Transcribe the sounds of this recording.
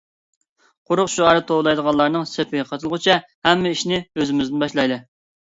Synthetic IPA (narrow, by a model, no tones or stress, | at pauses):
qʰʊɾʊqʃuʁɑɾɨt̪ʰowlˠɑjd̪əʁɑnlˠɑɾnɨŋsepʰɪɡʲɛqʰɑt̪ʰɨlˠʁʊt͡ʃʰɛhɛmːɪiʃnɪøzɪmɪznbɑʃlˠɑjd̪ɨ